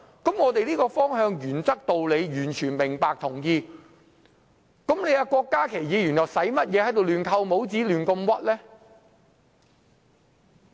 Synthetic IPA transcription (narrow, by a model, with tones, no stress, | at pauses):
kɐ˨˥mŋɔː˨˧t̪e˨jliː˥kɔː˧fɔː˥ŋɦœː˧ŋjyː˨˩nt͡sɐ˥k̚t̪o˨wle˨˧jjyː˨˩nt͡ʃʰyː˨˩nmɪ˨˩ŋpaː˨k̚t̪ʰʊ˨˩ŋjiː˧ | kɐ˨˥mle˨˧ja˨˧kʷɔː˧kːaː˥kʰe˨˩jjiː˨˧jy˨˩nɔː˨˩sɐ˨˥jmɐ˥t̚jɛː˨˧hɐ˨˥jt̪o˨wlyː˨˩nkʰɐ˧wmo˨˥wt͡siː˨˥lyː˨˩nkɐ˧mwɐ˥t̚lɛː˥